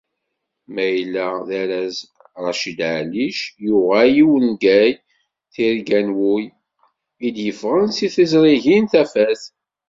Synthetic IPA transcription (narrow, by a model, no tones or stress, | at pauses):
mæjlːæðæɾæz | ɾˤɑʃid̪ʕliʃjʊʁæjiwənɡæj | θiɾɡænwuj | id̪jəfʁənsiθizɾˤiʝinθæfæθ